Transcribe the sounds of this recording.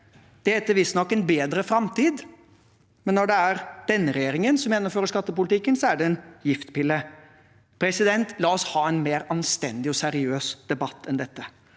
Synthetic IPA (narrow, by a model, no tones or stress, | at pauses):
d̪̥ɛt̪ːəʋɪst̪nɔkːɛnbeːd̪ɾəfɾɑmt̪iːd̪ | mɛnːɔɖɛæɾd̪̥ɛnːəɾɛjeːɾɪŋənsɔmjɛnːɔmføːɾəʂkɑt̪ːəpʊlɪt̪ʰɪkːənsɔæɖɛɛnjɪft̪pɪlːə | pʰɾɛsɪd̪ɛnt̪lɑːɔshɑːɛnmeːɾɑnst̪ɛ̰nd̪ɪɔsæɾɪøːsd̪̥ɛbɑt̪ʰːɛnd̪ɛt̪ːə